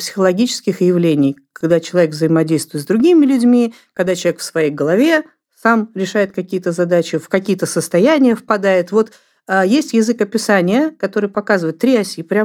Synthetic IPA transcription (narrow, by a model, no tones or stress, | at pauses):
psʲɪ̥xəlˠɐɡʲit͡ɕɪ̥skʲɪxjɪvlʲenʲɪjkɐɡd̪at͡ɕɪlˠɐvʲekvzəjɪmɐdʲejst̪vʊjɪt̪zd̪ɾʊɡʲimʲɪlʲʉdʲmʲi | kɐɡd̪at͡ɕʲɪlˠvʲekfsvɐjejɡəlˠɐvʲe̞ | samɾʲɪʂajɪt̪̚kɐkʲijət̪əzɐd̪at͡ɕɪfkɐkʲijət̪əsəst̪ɐjænʲɪjəfpɐd̪ajɪt̪vo̞t̪ː | jesʲtʲjɪzɨkɐpʲɪsanʲɪjəkɐt̪o̞ɾɨjpɐkazɨvəɪt̪ːɾʲiasʲipɾʲam